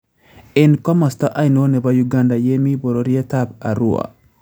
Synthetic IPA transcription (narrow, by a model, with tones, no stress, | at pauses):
i˦nkɔ˦ma˨st̪a˦ʔa˦jno˦nɛ˨bajuɡanda˨je˦mi˦bo˨ɾoɾi˦a˦taba˨ɾu˨wa̰˨